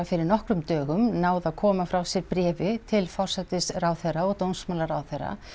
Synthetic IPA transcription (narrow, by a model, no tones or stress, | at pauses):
afɪɾɪɾnɔhkɾʏmt̪œːɣʏmnaːwðakʰɔːmafɾawsjɛɾpɾɛːvɪt̪ʰɪlfɔr̥sɛt̪ɪsrawθeraɔt̪ownsmawlaɾaːwθera̰